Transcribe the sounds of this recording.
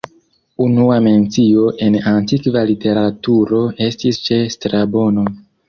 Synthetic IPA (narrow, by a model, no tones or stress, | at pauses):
unuame̞nt͡sio̞ʔe̞nantikvalite̞ɾatuɾo̞e̞stist͡ʃe̞stɾabo̞no̞